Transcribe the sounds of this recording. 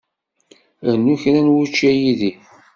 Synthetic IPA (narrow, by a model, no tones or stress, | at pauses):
ənːuçɾænwut͡ʃːæjiði